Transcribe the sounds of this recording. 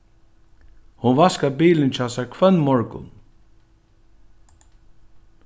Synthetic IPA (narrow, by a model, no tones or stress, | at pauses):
hʊnvaskabiːlɪnt͡ʃʰaːsaɹkʰvœnmɔɹkʊ̰n